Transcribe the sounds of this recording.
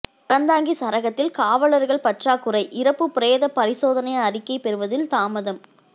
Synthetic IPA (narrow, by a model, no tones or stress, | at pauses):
pɐɾɐnd̪aːŋɡisɐɾɐɣɐt̪ːɪlkaːʋɐɭɐɾɣɐɭpɐʈraːkːɯrɐɪʔɪɾɐpːɯpːɪɾeːðɐpɐɾɪsoːðɐnɐɪɐɐrɪkːɐɪpɛɾɯʋɐðɪlt̪aːmɐðɐm